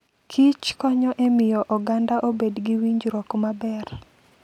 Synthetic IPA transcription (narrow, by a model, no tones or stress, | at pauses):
kʰit͡ʃkɔɲɔʔemɪjɔʔɔɡandaʔobedɡiwiɲd͡ʒɾɔkmabɛr